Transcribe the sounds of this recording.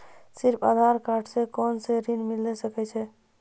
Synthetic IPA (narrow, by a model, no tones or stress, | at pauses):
siɾpʰa̰d̪ʱaɾkaɾʈʰsekɔnseɾinmilːɛsəkɛt͡ʃʰɛ